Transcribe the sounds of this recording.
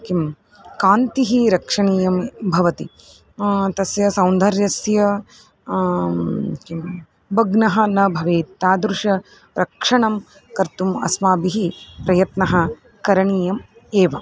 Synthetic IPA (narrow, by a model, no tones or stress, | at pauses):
kim | kaːnt̪iɦiɾɐkʂɐɳiːjɐmbʱɐʋɐt̪i | t̪ɐsjɐsɐwnd̪ʱɐɾjɐsjɐ | kim | bɐɡnɐɦɐ̆nɐbʱɐʋeːt̪ːaːd̪ɾuʂɐ | ɾɐkʂɐɳɐm | kɐɾt̪umɐ̰smaːbiɦipɾɐjɐt̪nɐɦɐ̆ | kɐɾɐɳiːjɐm | eːʋɐ